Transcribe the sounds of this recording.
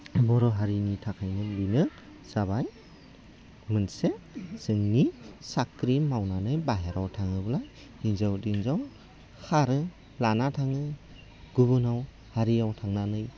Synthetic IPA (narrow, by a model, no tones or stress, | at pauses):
bɔɾɔɦaɾinitʰakʰajnɯbinɯ | saβaj | mɯnsesɯŋnisakɾimawnanɯjbaɦeɾawtʰaŋɯbɯlaj | inzawdinzaw | haɾɯ | lanatʰaŋɯ | ɡ̥uβɯnaw | haɾijawtʰaŋnanɯj